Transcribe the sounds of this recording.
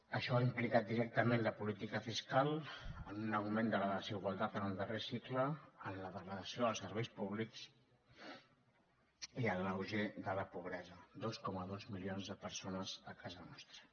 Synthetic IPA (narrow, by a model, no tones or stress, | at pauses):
əʃɔaimplikat̪̚d̪iɾɛk̚t̪əmenləpulit̪ikəfiskalˠənunəwmẽnd̪ələðəziɣwalˠt̪at̪ənəlˠd̪əresikləənləðəɣləðəsioəlˠsəɾβɛjspuβliks | iənəwʒeðələpuβ̞ɾɛzəd̪oskɔməðozmilionzðəpəɾsonəzəkʰazənɔst̪ɾə